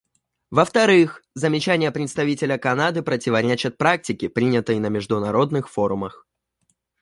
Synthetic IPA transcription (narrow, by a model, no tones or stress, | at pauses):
vəft̪ɐɾɨxzəmʲɪt͡ɕænʲɪjəpɾʲɪt̪st̪ɐvʲitʲɪlʲəkɐnad̪ɨpɾətʲɪvɐɾʲet͡ɕɪt̪̚pɾak̚tʲɪkʲɪpɾʲinʲɪt̪əjnəmʲɪʐd̪ʊnɐɾo̞d̪nɨxfo̞ɾʊməx